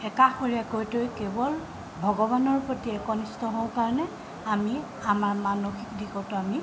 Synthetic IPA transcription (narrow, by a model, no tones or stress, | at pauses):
ɛkaxoɹiakojtojkebɔl | bʱɔɡɔβanɔɹpotiɛkɔnistɔɦowkaɹnɛ | ami | amaɹmanoxikdikɔtɔami